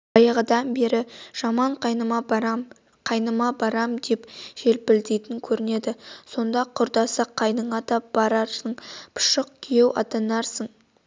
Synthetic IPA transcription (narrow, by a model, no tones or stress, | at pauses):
ɑjɑʁəd̪ɑnbe̞ɾɪʒ̥ɑmɑɴqʰɑjnəmɑbɾɑm | qʰɑjnəmɑbɑɾɑmd̪e̞pʒ̥e̞lpɪld̪ejt̪ɪŋkʲʰɵɾɪne̞d̪ɪso̞nd̪ɑqʰʊɾd̪ɑsɑqʰːɑjnəɴɑd̪ɑb̥ɑɾɑɾsəɴpʰʊ̥ʃəq̚kʲʰije̞wʔɑ̰t̪ɑnɑɾsəɴ